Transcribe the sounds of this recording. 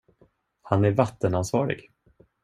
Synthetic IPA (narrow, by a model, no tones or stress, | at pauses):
hanæɾvat̪ːənansvɑːɾɪ̰ɡ